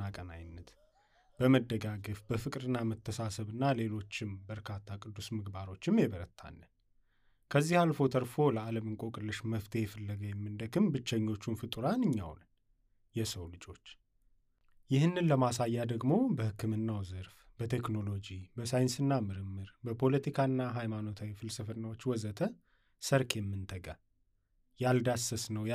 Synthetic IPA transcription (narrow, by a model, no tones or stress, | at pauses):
akʼəna̰jnːət̪ | b̥əməd̪ːəɡaɡəfbəfɨkʼɾɨnːamət̪ʰːəsasəβɨnːale̞lo̞t͡ʃːɪmbəɾkʰat̪ʰːakʼɨd̪ːusmɨɡbaɾo̞t͡ʃːɪmjɛβəɾət̪ʰa̰nːə | kʰəzːihalfo̞t̪ʰəɾfo̞ləaləmɨŋkʼokʼɨlːɨʃməft̪ʰejɛfəlːəɡəjɛmːɨnd̪əkɨmbɨt͡ʃːəɲːo̞t͡ʃːunfɨt̪ʼɨɾanɨɲːa̰wn | jɛsəwlɨd͡ʒʼo̞t͡ʃː | jɪhɨnːɨnləmasajːad̪əɡmo̞bəhɨkːɨmɨnːawzɨɾf | b̥ət̪ʰe̞kno̞lo̞d͡ʒibəsajɪnsɨnːamɨɾɨmːɨɾbəpʰo̞lət̪ʰikʰanːaɦajmano̞t̪ʰawifɨlsəfɨnːawot͡ʃːwɔzət̪ʰə | səɾkʰjɛmːɨnt̪ʰəɡʼa | jald̪asəsnəw